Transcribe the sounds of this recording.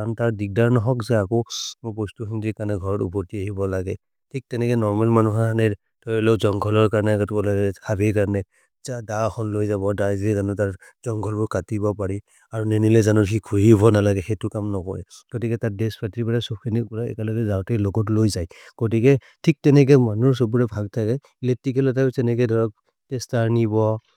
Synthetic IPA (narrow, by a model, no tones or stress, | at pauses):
antaɹdik̚daɹnɔɦɔkzɛakomopɔstuxintikanɛɡʱɔɹɔtṵpɔɹtiaɦibɔlaɡɛ | tʰik̚tɛnɛkɛnɔɹmalmanuɦanɛ | tɔjlɔzɔŋɡʰʱɔlɔɹkaɹnɛkatɔlasabikaɹnɛ | tadaxʰɔnlojzabɔdazɛzanɔtaɹ | zɔŋɡʰʱɔlbʊɹkatibɔpaɹi | aɹunenilɛzanɔkikʰuɹibɔnalaɡɛxɛtʊkamnɔkɔɹɛ | ɡ̥otikɛtat̚dɛspʰatɹipaɹasɔpkʰinik̚pɔɹaɛ̰kɛlɔɡɛzatɛlɔɡɔtlojzajɡ̥ot̬ikɛ | tʰik̚tɛnɛk̬ɛmanuɹs̬ɔbuɹɛbʱaɡ̚tʰakɛ | iletikɛlɔtasɛnɛkɛdʱɔɹɔk̚ | testaɹnibɔ